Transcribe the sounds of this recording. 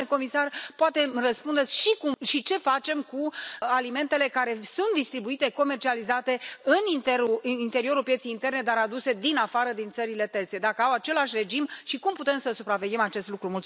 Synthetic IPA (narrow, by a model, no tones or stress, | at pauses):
eko̞misarpoat̪e̞mrəspund̪e̞t̪sʲʃikumʃit͡ʃe̞fat͡ʃe̞mkualime̞nt̪e̞le̞kaɾe̞sunt̪̚d̪ist̪ɾibuit̪e̞ko̞me̞rt͡ʃializat̪e̞ɨnint̪eɾuint̪e̞ɾio̞ɾulpje̞t̪sejint̪e̞rne̞d̪aɾad̪use̞d̪inafaɾəd̪int̪səɾile̞t̪e̞rt̪se̞d̪akəawat͡ʃe̞laʃʲre̞d͡ʒimʃikumput̪e̞msəsupɾave̞ɡʲe̞mat͡ʃe̞st̪lukɾumult̪